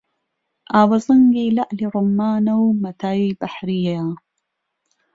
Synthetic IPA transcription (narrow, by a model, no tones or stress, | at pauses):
aːwɐzɐŋɡilaʔliɾʊmːaːnɐwmɐt̪ʰaːibaħɾijaaː